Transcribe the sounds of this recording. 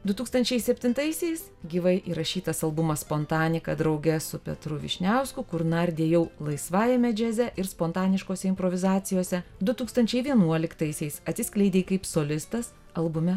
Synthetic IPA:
d̪ʊt̪uːkst̪ɐnʲt͡ʃʲɛɪsʲɛpʲt̪ʲɪnt̪ɐɪsʲɛɪs | ɡʲiːʋɐɪʔiːɾɐʃʲiːt̪ɐsɐlˠbʊmɐsspoːnt̪ɑːnʲɪkɐd̪ɾɐʊɡʲɛsʊpʲɛ̰t̪ɾʊʋʲɪ̰ʃʲnʲæʊskʊkʊɾnɐɾʲd̪ʲeɛjɛʊlˠɐɪsʋɑːjɛmʲɛd͡ʒʲɛzʲɛʔɪɾspoːnt̪ɑːnʲɪʃkoːsʲɛɪmpɾoːʋʲɪzɑːt̪sʲɪjoːsʲɛd̪ʊt̪uːkst̪ɐnʲt͡ʃʲɛɪʋʲiɛnuɔlʲɪkt̪ɐɪsʲɛɪsɐt̪sʲɪsʲklʲɛɪd̪ʲeːkɐɪpsoːlʲɪst̪ɐs | ɐlˠbʊmʲɛ

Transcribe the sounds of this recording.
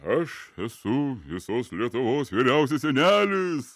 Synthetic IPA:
ɐʃɛsʊʋʲɪsoːslʲiɛt̪ʊʋoːsʋʲiɪɾʲɛʊs̬ʲɛsʲɛnʲæːlʲɪs

